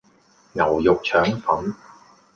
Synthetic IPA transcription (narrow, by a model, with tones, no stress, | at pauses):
ŋɐ˨˩wjʊ˨k̚t͡ʃʰœː˨˥ŋfɐ˨˥n